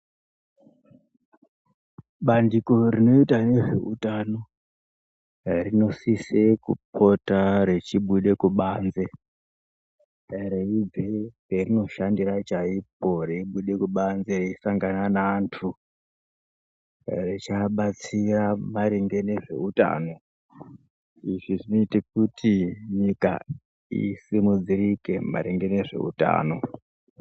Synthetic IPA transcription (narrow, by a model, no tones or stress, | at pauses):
ɓandiko̞ɾino̞itane̞ʐe̞̰ṵtano̞ | rino̞sisekṵpʰo̞taɾe̞t͡ʃiɓuɗe̞kuɓaːnze̞ | reib͡veperino̞ʃandirat͡ʃaip̚o̞reiɓuɗe̞kuɓanzereisaŋɡananaːntʰu | ret͡ʃaɓat͡siramaɾeŋɡe̞ne̞ʐe̞̰uta̰ːno̞ | iʐiʐino̞itik̚utiɲika̰ | ḭsimud͡zirike̞ma̰ɾeŋɡe̞ne̞ʐe̞̰ṵta̰ːno̞